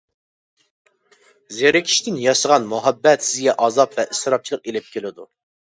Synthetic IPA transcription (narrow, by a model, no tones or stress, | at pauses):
zeɾɪkʲʰi̥ʃt̪ʰɪnjɑʃəʁɑnmuɦɛbːɛt̪sɪzɡʲɛʔɑzɑpvɛʔisɨɾɑp̚t͡ʃʰilˠəqelɪp̚kʲelɪd̪u